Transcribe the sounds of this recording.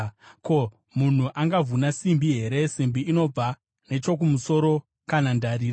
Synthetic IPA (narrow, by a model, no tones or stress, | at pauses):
ko̞ | mun̤uʔaŋɡavunasimbiɦe̞ɾe̞simbiːno̞b͡va | ne̞t͡ʃo̞kumuso̞ɾo̞ | kanandaɾiːr